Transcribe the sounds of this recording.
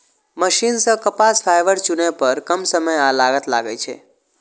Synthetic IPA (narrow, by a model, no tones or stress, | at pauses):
məʃinsəkəpasfʰajʋəɽt͡ʃunepəɾkəmsəməjalaɡət̪la̰ɡəjt͡ʃʰḛ